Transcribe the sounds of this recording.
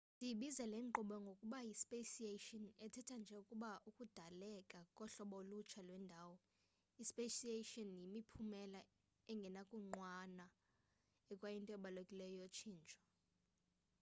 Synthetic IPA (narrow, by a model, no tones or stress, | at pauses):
ndʱiɓizɛlɛŋ͡ǃuɓɔŋɡʱokʼuɓajispʼesietɔnɛtʰɛtʰand͡ʒʱɛukʼuɓaukʼud̥ʱalɛkʼakʼɔɬɔɓolut͡ʃʰalwɛndʱaːwɔ | ispeʃieʃɔnjimipʰumɛla | ɛŋɡʱɛnakʼuŋ͡ǃwana | ɛkʼwajintʼɔɛɓalokʼilɛjɔjot͡ʃʰiːnt͡ʃʼɔ̥